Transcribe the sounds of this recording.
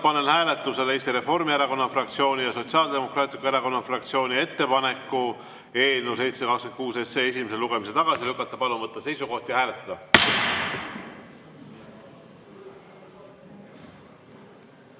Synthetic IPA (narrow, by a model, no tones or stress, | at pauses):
pɑne̞nhæːle̞t̪ːˑuse̞leːst̪iɾe̞fo̞rmieɾɑko̞nːɑfrɑk̚t̪sio̞ːnʲijɑso̞t̪siɑld̪e̞mo̞krɑːt̪ʲˑlikueɾɑko̞nːɑfrɑkt̪sio̞ːnʲie̞t̪ːe̞pɑne̞kːˑu | e̞ːnuse̞jt̪sekɑkskenkuːse̞seːe̞s̬ʲime̞se̞luɡ̥e̞mise̞t̪ɑɡ̥ɑsilykːˑɑt̪ːˑɑpɑlunvɤt̪ːˑɑse̞jsuko̞ht̪jɑhæːle̞t̪ːˑɑd̪̥ɑ